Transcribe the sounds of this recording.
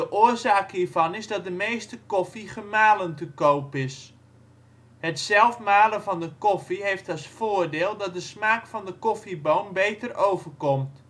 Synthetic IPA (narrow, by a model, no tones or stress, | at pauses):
dəʔʊərzaːkhiːɹvɑnɪzdɔt̚dəmejstəkɔfiχəmaːləntəkowpɪs | hətsɛlˠfmaːləvɑndəkɔfiɦeftɔsfoːərdeːlˠdɔt̚dəsmaːkfɑndəkɔfibownbejtərowvərkɔmt